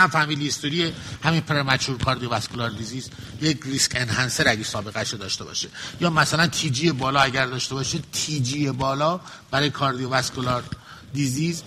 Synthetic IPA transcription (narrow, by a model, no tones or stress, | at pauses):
æmfæhmid̪list̪oɾiehæminpʰeɾemæt͡ʃuːɾkʰɒːɾd̪ijovæskʰolɒːɾd̪iziːz | jekʰriskenhænse̞ɾæɡesɒːbe̞ɣæʃɾod̪ɒ̰ːʃt̪e̞bɒ̰ːʃejɒːmæsælænt̪ʰiːd͡ʒie̞bɒːlɒæɟæɾd̪ɒːʃt̪e̞bɒːʃet̪ʰiːd͡ʒiːjebɒːlɒː | b̥æɾɒːjekʰɒːɾd̪iovæskʰolɒɾ | d̪iziz